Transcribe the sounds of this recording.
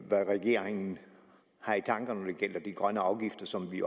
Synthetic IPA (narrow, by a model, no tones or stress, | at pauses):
ʋæʁɛɡ̥e̝̰ɐ̰e̝ŋn̩ | hɑ̈it͡sʰɑ̈ŋɡ̥ɐnɒd̥e̝ɡ̥el̰ɐd̥iɡ̥ʁɶnəɑ̈ʊɡ̥ifd̥ɐsɒ̽mʋi